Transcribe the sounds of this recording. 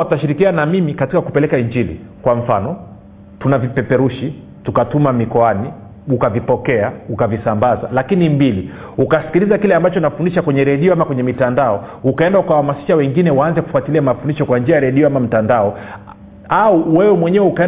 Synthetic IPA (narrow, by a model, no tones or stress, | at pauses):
ataʃiɾikianamimikatikakupɛlɛkaiɲd͡ʒilḭ | kwaɱ̩fanɔ | tunavipɛpɛɾuʃi | tukatumamikɔani | ukavipɔkɛaukavisambaza̰lakinimbili | ukasi̥kilizakilɛambat͡ʃɔnafundiʃakwɛɲɛɾɛɗiɔhamakwɛɲɛmitandaɔukaɛndaukawahamasi̥ʃawɛŋɡinɛwaanzɛku̥fuatiliamafundiʃɔkwaɲd͡ʒiajaɾɛɗiɔamam̩tandaɔ | auwɛwɛmwɛɲɛwɛukaɛ